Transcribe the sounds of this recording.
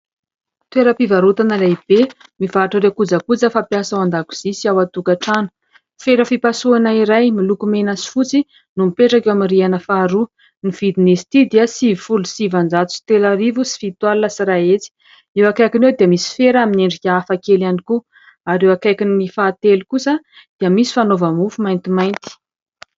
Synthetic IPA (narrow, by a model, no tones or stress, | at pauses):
t̪weɾəpivaɾut̪anəlab̥e | mivaʈ͡ʂəɾekud͡zakud͡zəfapjasaand̪aku̥z̥isiawat̪ukaʈ͡ʂanu̥ | feɾəfipasuanaiɾajmilukumenasi̥fut͡si | numipeʈ͡ʂakewaminrianəfaɾu | nivid̪inesi̥t̪id̪iasivifulusivand͡zat̪u̥si̥t̪elaɾivusi̥fit̪walnasiɾaet͡si̥ | ewakajkinewd̪iəmisi̥feɾamineɳɖ͡ʐikʲafakelaniku | aɾewakajkinːifaːt̪elukusə | d̪̥iəmisi̥fanovamufumajnt̪imajnt̪i̥